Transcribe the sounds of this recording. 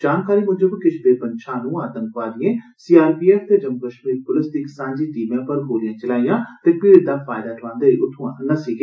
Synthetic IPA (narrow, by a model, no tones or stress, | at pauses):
d͡ʒaːnkaːɾiːmʊ̃ɲd͡ʒəbkɪt͡ʃʰb̪eːpənʃʰãːnũːaːt̪ə̃ŋkʋaːd̪ɪjẽːsiːaːɾpiːɛːft̪eːd͡ʒəmkəʃmiːɾpʊlɪst̪ɪksãːɲd͡ʒiːʈiːmãːpəɾɦoːlɪjãːt͡ʃəlaːɪjãːt̪eːpɪɾɪd̪aːpʰaːɪd̪aːʈʰəlãːnd̪eːiːʔʊt̪ʰːũːãːnəsiːɡe